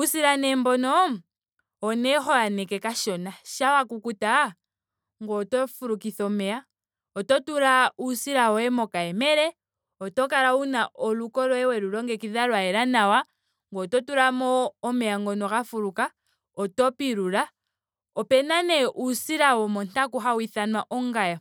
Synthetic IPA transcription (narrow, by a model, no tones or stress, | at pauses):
usiɾanɛmbɔnɔː | nɛɦɔjanɛkɛkaʃɔnaʃawakukuta | ŋɡɔtɔfuɾukiθɔmɛa | ɔtɔtuɾausiɾaɔɛmɔkaɛmɛɾɛ | ɔtɔkaɾaunaʔɔlukɔɾɔɛwɛɾuɾɔŋɡɛkiðaɾwaɛɾanawa | ŋɡɔtɔtuɾamɔːmɛaŋɡɔnɔkafuɾuka | ɔtɔpiɾuɾa | ɔpɛnanɛʔusiɾawɔmɔntakuɦawiθanwaʔɔŋɡaja